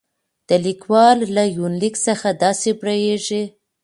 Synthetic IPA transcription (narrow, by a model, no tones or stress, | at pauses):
d̪̥əlikwɑlːajunliksəxad̪ɑsebɽajeʐi